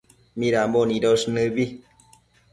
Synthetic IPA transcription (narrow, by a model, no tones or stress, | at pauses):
mĩɾamboniɾosnɨbi